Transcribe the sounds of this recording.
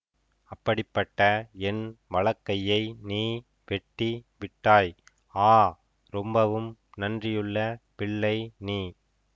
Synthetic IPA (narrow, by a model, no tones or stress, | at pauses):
ɐpːɐɽɪpːɐʈːɐɛnʋɐɭɐkːɐjɐɪniː | ʋɛʈːiʋɪʈːaːj | aː | ɾɔmbɐʋɯmnɐndrɪjɯɭːɐpɪɭːɐɪniː